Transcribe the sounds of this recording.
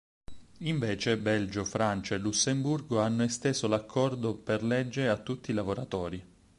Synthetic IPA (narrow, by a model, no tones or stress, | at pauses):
iɱveːt͡ʃebɛld͡ʒofɾant͡ʃaelːusːemburɡoanːoest̪eːzolakʰːɔrd̪operlɛd͡ʒːeeat̪ːut̪ːilavoɾat̪ɔːɾi